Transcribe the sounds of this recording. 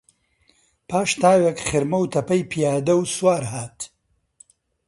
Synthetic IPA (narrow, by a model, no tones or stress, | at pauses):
pʰaːʃt̪aːwekχɪɾmɐwt̪ʰɐpɐjpʰijaːd̪ɐwswaːɾɦaːt̪